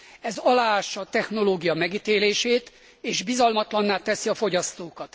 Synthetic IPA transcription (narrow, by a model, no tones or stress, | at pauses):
ɛzɒlaːaːʃːɒːt̪ɛxno̞loːɡijɒmɛɡit̪eːleːʃeːt̪ | eːʒbizɒlmɒt̪lɒnːaːt̪ɛsiɒfo̞ɟɒst̪oːkɒt̪